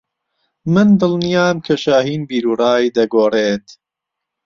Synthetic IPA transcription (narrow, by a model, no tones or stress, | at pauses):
mɨnd̪ɨlnijaːmkʰɐʃaːɦiːnbiːɾuːrɑːjd̪ɐɡoːreːt̪